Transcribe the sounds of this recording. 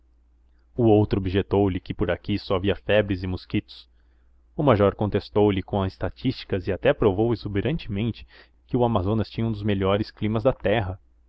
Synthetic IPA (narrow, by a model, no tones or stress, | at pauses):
ʊowt̪ɾʊobiʒet̪owlɪkɪpoɾakisɔaviɐfɛbɾɪzɪmuskit̪ʊ̥s | ʊmaʒɔɾkõnt̪est̪owlɪkõɐzɪst̪at͡ʃist͡ʃi̥kɐzɪat̪ɛpɾovowezubeɾʔɐ̃nt͡ʃɪmẽnt͡ʃɪ̥ | kɪʊamazõnɐst͡ʃĩɲɐũd̪ʊzmeʎɔɾɪsklĩmɐzd̪ɐt̪ɛɦɐ